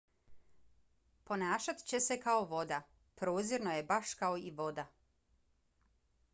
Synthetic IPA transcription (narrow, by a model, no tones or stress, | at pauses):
po̞naːʃat̪t͡ɕe̞se̞kaoʋo̞d̪a | pɾoːziɾno̞je̞baʃkaoiʋo̞d̪a